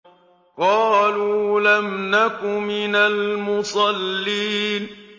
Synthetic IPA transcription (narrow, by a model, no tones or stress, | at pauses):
qɑːluːlamnakʊmɪnalmʊsˤɑlːiːn